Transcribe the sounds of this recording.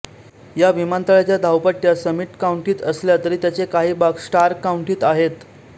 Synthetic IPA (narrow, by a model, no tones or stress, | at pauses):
jaʋimant̪aɭjat͡ɕjad̪ʱawpaʈjasəmiʈkauɳʈiːt̪əsljat̪əɾiːt̪jat͡sekaɦiːbaksʈaɾkauɳʈiːt̪aɦet̪